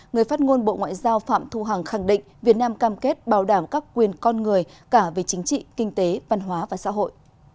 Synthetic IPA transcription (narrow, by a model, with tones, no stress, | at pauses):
ŋɨ˨˩əjfaː˦˥t̚ŋo˧nɓo̰˧˨ŋwa̰ː˧˨jzaː˧wfa̰ː˧˨mt̪ʰu˧ɦa˨˩ŋxa˧˩ŋɗḭ̈˧˨ŋ̟vi˨˩ət̚naː˧mkaː˧mke˦˥t̚ɓaː˨˩wɗaː˧˩mkaː˦˥kːwi˨˩ənkɔ˧nŋɨ˨˩əjkaː˧˩ve˨˦t͡ɕï˨˦ŋ̟t͡ɕḭ˧˨kï˧ŋ̟t̪e˨˦va˧nɦwaː˨˦vaː˨˩sa̰ː˧˥ɦo̰˧˨jʔ